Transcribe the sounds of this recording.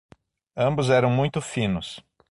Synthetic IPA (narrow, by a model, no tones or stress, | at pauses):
ɐ̃mbʊzɛɾɐ̃w̃mũj̃t̪ʊfĩnʊs